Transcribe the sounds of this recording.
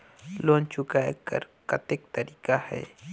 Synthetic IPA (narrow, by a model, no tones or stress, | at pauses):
lont͡ʃʊkajka̰ɾkat̪ek̚t̪aɾɪkaha̰j